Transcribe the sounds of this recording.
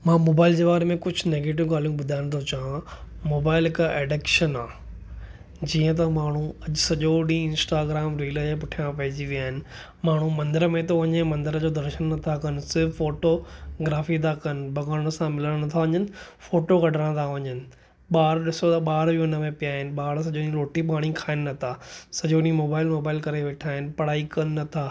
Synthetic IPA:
mãːmoːbaːɪld͡ʑeːʋaːɾemẽkʊd͡ʑʱʊneːɡeːʈ̬ɪʋɡaːlijũɓʊd̪ʱaːɪɽ̃t̪ʰot͡ɕaãmoːbaːɪlɪkaʔeːɖeːkʃənaː | d͡ʑiːə̃t̪̬ɐmaːɳ̤ũɐʄʊsɐʄoɗĩɪ̃nsʈaːɡɾaːmɾiːləepʊʈʰijãpɐɦɪd͡ʑiʋijaːɦɪnɪ̆ | maːɳ̤ũmɐ̃nd̪əɾəmẽt̪ɐʋɐɲə̃mɐ̃nd̪ɪɾəd͡ʑoːd̪ɐɾʃənːɐt̪ʰakɐnɪsɪɾʋfoːʈoɡɾaːfit̪ʰakɐnɪ̆bɐɡaːɾəɽ̃əsãmɪləɽñɐt̪ʰaʋɐɲənɪ̆foːʈoɡɐɖʱəɽ̃t̪ʰaʋɐɲənɪ̆ | ɓaːɾɗɪsot̪ɐɓaːɾbiʊnəmẽpijaːɦɪnɪ̆ɓaːɾs̬ɐʄoɗĩɾoːʈipaːɽ̃ĩkʰaːɪnɪ̆nɐt̪ʰasɐʄoɗĩmoːbaːɪlmoːbaːɪlkɐɾeʋeːʈʰaːɦɪnɪ̆pɐɽ̤aːikɐnɪːɐt̪ʰaː

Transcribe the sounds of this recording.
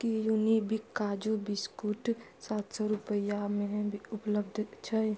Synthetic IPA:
kijunibʱikːaːd͡ʒubiskuːʈ | saːt̪sɔɾʊpəjamebʱiʊpləbd̪ʱt͡ʃʰae

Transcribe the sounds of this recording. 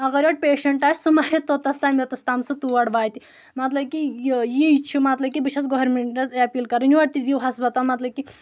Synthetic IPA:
ɐɣɐɾjoʈ̚peːʃɐɳʈaːsʲsumajit̪ot̪ɐst̪aːmet̪ɐst̪aːmsut̪uʋɐɽʋaːjt̪i | mɐt̪lɐb̚kijit͡ʃʰumɐt̪lɐb̚kʲibiʃʰɐt͡sɡoɦɾmeɳʈɐzɐpiːlkɐɾɐniʋɐʈt̪id̪iwɦɐsbɐt̪amɐt̪lɐb̚kʲi

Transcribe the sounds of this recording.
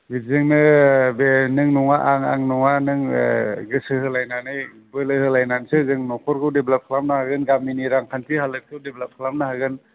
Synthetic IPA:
bizɯŋnɯbenɯŋnɔŋaʔaŋa̰ŋnɔŋanɯŋɡɯsɯhɯlajnanɯj | bɯlɯhɯlajnansɯzɯŋnɔkʰɔɾɡɯwdeblap̚kʰlamnahaɡɯnɡaminiɾaŋkʰankʰihalɯk̚kʰɯwdeblap̚kʰlamnahaɡɯn

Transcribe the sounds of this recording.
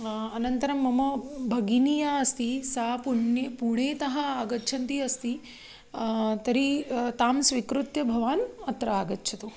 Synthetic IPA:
ɐnɐnt̪ɐɾɐmːɐmɐbʱɐɡinijaɐst̪isapuɳjepuɳ̃eːt̪ɐɦɐːɡɐtːt͡ʃʰɐnt̪iɐst̪i | t̪ɐɾit̪aːmsʋikɾut̪jɐbʱɐʋaːnɐt̪ɾɐaɡɐtːt͡ʃʰɐt̪o

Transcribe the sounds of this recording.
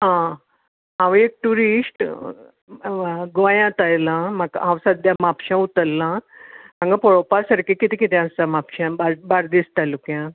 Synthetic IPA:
ɦã | ɦãʋek̚ʈuɾisʈ | ɡʋajãt̪ajlãmakɦãwsəd̪ʱjamapɕãut̪əlːããŋɡapɔɭopaɾsəɾkikit̪ĩkit̪ʰɛ̃ãst͡samapɕãbaɾbaɾd̪ist̪alukjã

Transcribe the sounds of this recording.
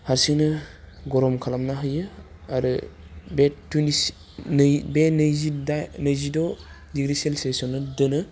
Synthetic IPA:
haɾsiŋnɯɡɔɾɔmkʰalamnaɦɯjɯaɾɯbetunis | nbenɯzidanɯjzidɔ | diɡɾiselsesɔnːɯdɯnɯ

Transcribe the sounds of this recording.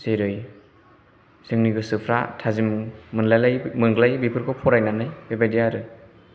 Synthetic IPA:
seɾɯj | sɯŋniɡɯsɯpʰɾa̰tʰazimmɯnlajlajmɯŋɡlajbipʰɯɾkʰɔpʰɔɾajnanajbebajdijaɾɯ

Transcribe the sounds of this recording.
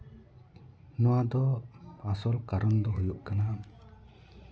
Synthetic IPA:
nɔwad̪ɔasɔlkaɾɔnd̪ɔɦujuʔkana

